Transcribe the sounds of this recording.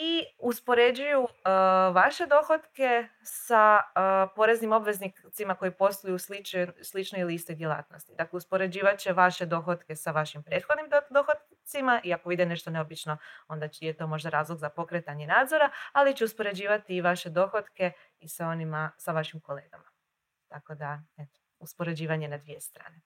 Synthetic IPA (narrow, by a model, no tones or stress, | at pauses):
iuspo̞ɾe̞d͡ʒujuʋaʃe̞d̪o̞xot̪ke̞ | sapo̞ɾe̞znimo̞bʋe̞znit̪simako̞jipo̞st̪ojuslit͡ʃslˠit͡ʃnoilist̪od̪jelˠa̰ːt̪no̞st̪id̪akleuspo̞ɾe̞d͡ʑiːʋat͡ʃeʋaʃe̞d̪o̞xot̪ke̞saʋaʃimpɾe̞ːt̪xod̪nimd̪oxot̪ | t̪simaʔiako̞ʋid̪ene̞ʃt̪o̞ne̞obit͡ʃno̞o̞nd̪ajet̪o̞mo̞ʒd̪aɾaːzlˠo̞ɡzapo̞kɾe̞t̪aɲenaːd̪zo̞ɾaalit͡ɕeuspo̞ɾe̞d͡ʑiːʋat̪iːʋaʃe̞d̪o̞xot̪ke̞ | isaonimasaʋaʃimko̞le̞ːɡama | t̪ako̞d̪ae̞t̪o̥ | uspo̞ɾe̞d͡ʑiːʋaɲenad̪ʋije̞st̪ɾa̰ːne̞